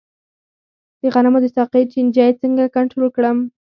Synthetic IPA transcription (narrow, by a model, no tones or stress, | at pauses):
d̪̥əɣanamod̪əsɑqet͡ʃind͡ʒɑjet͡səŋɡakaɳʈɾolkɽəm